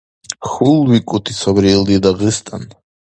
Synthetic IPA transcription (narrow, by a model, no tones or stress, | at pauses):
xulwikʼut̪ʰisʰabɾilˠd̪id̪aʁɨst̪ʼan